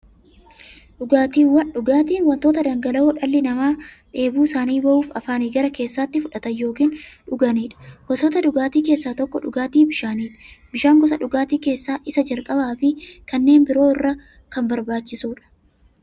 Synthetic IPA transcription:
ᶑʊɡaːt̪iːwɐᶑʊɡaːt̪iːnwɐnt̪o̞ːt̪ɐd̪ɐŋɡɐlɐoːᶑɐlːɪnɐmaː | ᶑe̞ːbuːsaːniːbɐʔuːfɐ̰faːniːɡɐɾɐke̞ːsːaːt̪ːɪfʊᶑɐt̪ɐjjo̞ːkiːnᶑʊɡɐniːᶑɐ̥hɔsɔt̪ɐᶑʊɡaːt̪iːke̞ːsːaːt̪ɔkːɔᶑʊɡaːt̪iːbɪʃaːniːᶑɐ̥bɪʃaːŋɡɔs̬ɐᶑʊɡaːt̪iːke̞ːsːaːʔɪsɐd͡ʒɐlkʼɐbaːfɪkɐnːe̞ːnbɪɾo̞ːɪrːɐ | kɐmbɐɾbaːt͡ʃːɪsuːᶑɐ̥

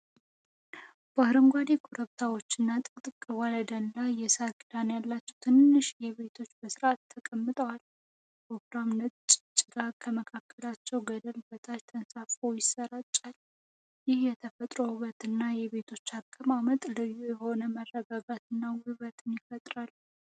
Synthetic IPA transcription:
b̥əhɨɾɨŋɡʷad̪ekʰuɾəβt̪ʰawo̞t͡ʃːɪnːat̪ʼɨkʼt̪ʼɨkʼːɨwaləd̪ənlajjɛsaɾkʼɨd̪anjalːat͡ʃːɛwt̪ʰɨnːɨʃjɛβe̞t̪ʰo̞t͡ʃːbəsɨɾat̪ʰːəkʼəmːɨt̪ʼəwal | pokɾamnət͡ʃʼt͡ʃʼɪɡakʰːəməkʰakʰːəlat͡ʃːɛwɡəd̪əlbət̪ʰat͡ʃt̪ʰənsafojɪsəɾat͡ʃʼːal | jɪhjɛt̪ʰəfət̪ʼɾo̞hɨβət̪ʰɨnːajɛβe̞t̪ʰo̞t͡ʃːakʼːəmamət̪ʼlɨjːujɛho̞nəmərːəɡaɡat̪ʰɨnːawhɨβət̪ʰɨnjɪfət̪ʼɾal

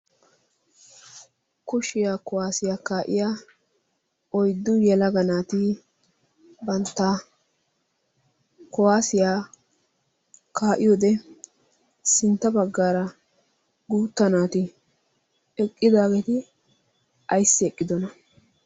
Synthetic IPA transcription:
kʊʃɪjaːkɔwaːsɪjaːkaːʔɪ̰jaː | ʔɔjd̪ːʊjɛlɐɡɐnaːt̪ɪ | bɐnt̪ːɐ | kɔwaːsɪjaː | kaːʔɪjoːd̪ɛ | sɪnt̪ːɐbɐɡːaːɾɐ | ɡuːt̪ːɐnaːt̪ɪ | ɛkʼːɪd̪aːɡet̪ɪ | ʔɐjsːɪɛkʼːɪd̪ɔnɐ

